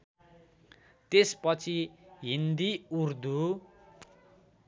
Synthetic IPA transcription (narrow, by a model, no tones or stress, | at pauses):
t̪espʌt͡sʰiɦind̪iurd̪u